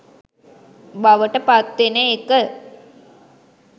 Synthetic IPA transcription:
baʋəʈəpat̪ʋenəːkə

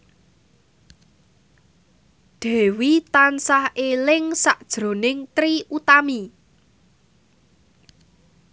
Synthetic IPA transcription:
d̪̥ɛ̤wit̪ansahelɪŋsaʔd̥ʒ̥ɾo̤nɪŋt̪ɾiʔut̪ami

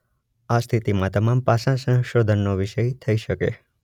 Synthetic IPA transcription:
ast̪ʰit̪imãt̪əmampasãsə̃ŋ̃ʃod̪ʱənːoʋɪʃəjt̪ʰəiʃəkḛ

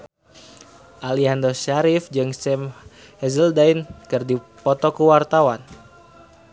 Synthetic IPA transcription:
ʔaliandɔʃaɾifd͡ʒɨŋsɛm | hɛzəldainkɨrdipɔt̪ɔkuwart̪awan

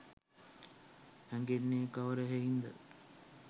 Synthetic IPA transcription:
hæŋɡenːekaʋəɾəɦeind̪ə̰

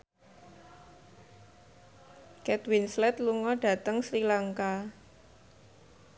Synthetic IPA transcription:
kɛt̪winslɛt̪luŋɔɖ̥a̤t̪əŋsɾilaŋka

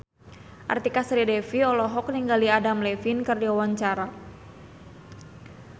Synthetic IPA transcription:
ʔa̰rt̪ikasɾidɛfiɔlɔɦɔk̚niŋɡaliadamlɛfinkɨrdiwawaɲt͡ʃaɾa

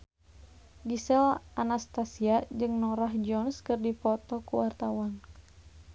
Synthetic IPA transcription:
ɡisɛlʔanast̪asiad͡ʒɨŋnɔɾaɦd͡ʒɔnskɨrdipɔt̪ɔkuwart̪awan

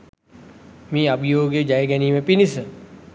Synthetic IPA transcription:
mĩːabʱijoːɡjəd͡ʒajəɡɛniːməpinisə

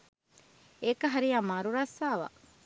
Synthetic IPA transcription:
ekɐɦɐɾijamɐɾuɾɐsːaːʋa̰

